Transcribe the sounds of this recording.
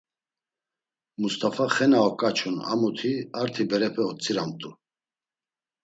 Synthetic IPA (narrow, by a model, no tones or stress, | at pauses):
must̪ʰʼafaχɛnaɔkʼat͡ʃʰuna̰mut̪ʰiaɾt̪ʰibɛɾɛpʰɛɔt͡sʼiɾamt̪ʼu